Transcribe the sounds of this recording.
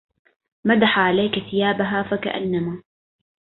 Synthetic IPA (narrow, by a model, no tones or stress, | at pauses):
mad̪aħaʕalajkaθɪjaːbaɦaːfaka̰ʔa̰nːamaː